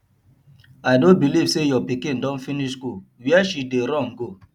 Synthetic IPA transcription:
aɪdõnbiliv̥sejɔpikĩndɔ̃nfiniʃɡuwiɛʃideɾɔ̃mɡo

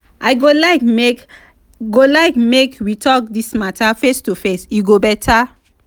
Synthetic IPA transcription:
ʔaɪɡolaɪkme | ɡolaɪkmekwitʰɔk̚dismatʰafestufesiɡobɛtʰa

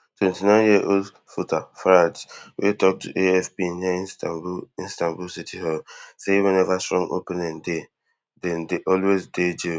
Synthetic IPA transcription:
twɛ̃ntinãɪnjiʔold | futafɾad͡ʒwʔetɔk̚tʰṵʔeɛfpinaistabuĩnstãmbulsitʰiɦɔlsewɛ̃nɛvastɹɔ̃ŋo̰pɛ̃nɛ̃nde | dɛ̃ndeʔɔlwezded͡ʒe

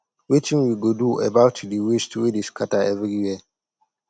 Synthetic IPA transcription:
wit͡ʃĩŋwiɡoduʔɛbaʊtdiwistʰwidiskʰataɛvɾijiə

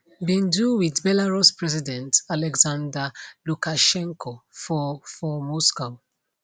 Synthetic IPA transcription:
bĩnduwiðbɛlaɹuspɹɛzidɛ̃ntalɛɡzãndalukaʃɛ̃ŋkʰɔfɔfɔmɔskaʊ

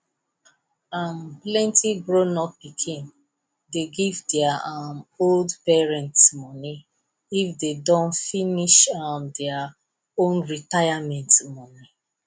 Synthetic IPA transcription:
amplɛ̃ntiɡɹonɔppikʰĩn | deɡivdɛaamoldpɛɹɛ̃ntsmɔni | ifdedɔ̃nfiniʃamdɛa | õnɹitajamɛ̃ntmɔni

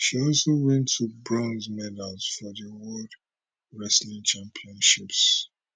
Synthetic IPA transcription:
ʃiɔlsowɛ̃ntʰubɹɔ̃nzmɛdalz̥fɔðəwɔd | ɹɛslĩŋt͡ʃãmpʰiɔ̃nʃips

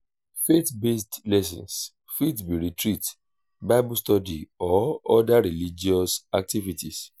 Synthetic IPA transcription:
fetbestlɛs̬ɔ̰̃ns | fitbiɾitɾit | baɪbustɔdiɔɔdaɾilid͡ʒiɔsak̚tivitis

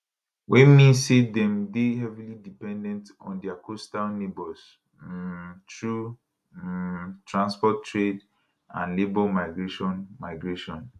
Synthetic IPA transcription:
wʔɛ̃nmĩsedɛ̃mdeɦɛvilidipɛ̃ndɛ̃nt | ɔ̰̃ndiakʰostalnebɔls | tɹu | tʰɹãnspɔtːɹed | ã̰nlebɔlmaɪɡɹeʃɔ̃nmaɪɡɹeʃɔ̃n

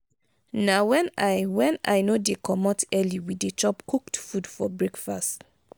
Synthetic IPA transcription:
nawɛ̃najwɛ̃na̰jnodekʰɔmɔtɛliwidet͡ʃɔpkʰuktfudfɔbɹekfast

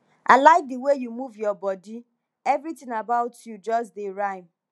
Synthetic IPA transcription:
ʔaɪlaɪk̚d̪əwejumuvjɔbɔdi | ɛvɾitɪ̃ŋabaʊtʰjud͡ʒɔs̬dɪɹãɪm

